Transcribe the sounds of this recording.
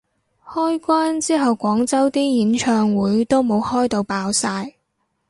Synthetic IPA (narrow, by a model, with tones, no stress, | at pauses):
hɔː˥jkʷaː˥nt͡siː˥ɦɐ˨wkʷɔː˨˥ŋt͡sɐ˥wt̪iː˥jiː˨˥nt͡ʃʰœː˧ŋwuː˨˥jt̪o˥wmo˨˧whɔː˥jt̪o˧wpaː˧wsaː˧j